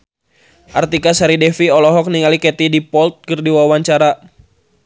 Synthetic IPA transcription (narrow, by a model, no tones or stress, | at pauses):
ʔart̪ikasaɾidɛfiɔlɔɦɔk̚niŋalikɛt̪idipɔlt̪̚kɨrdiwawaɲt͡ʃaɾa